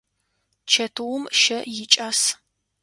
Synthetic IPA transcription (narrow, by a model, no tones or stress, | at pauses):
t͡ʃʰɐtʰɨwʊmʃɐjɪt͡ʃʼaːs